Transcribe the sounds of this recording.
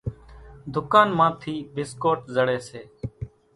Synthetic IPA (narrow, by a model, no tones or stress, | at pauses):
d̪ʱʊkaːnmãːt̪ʰiːbɪskoːʈzəɽeːseː